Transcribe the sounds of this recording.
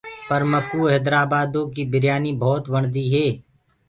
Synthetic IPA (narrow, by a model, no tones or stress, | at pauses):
pɐɾmɐpuɦɛːd̪ɾaːbaːd̪õkibɪɾjaːnibʱɔːt̪ʋɐɳ̃d̪iɦɛː